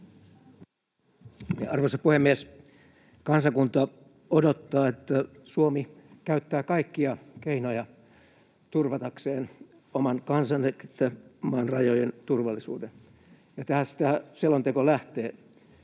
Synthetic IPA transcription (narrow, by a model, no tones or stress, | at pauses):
ɑɑrʋosɑpuhemːies | kɑnsɑkunt̪ɑ | odot̪ːɑːet̪ːæ | suomikæyt̪ːæːkɑikːiɑkeinojɑ | t̪urʋɑt̪ɑkseːn | omɑnkɑnsɑnːekit̪ːæmɑːnrɑjojent̪urʋɑlːisṵːden | jɑt̪æhæsi̥t̪æselont̪ekolæht̪eː